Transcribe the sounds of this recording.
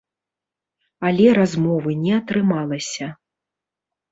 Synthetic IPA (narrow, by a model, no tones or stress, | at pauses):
alʲɛɾazmɔvɨnʲɛɐt̪ɾɨmalˠɐsʲɐ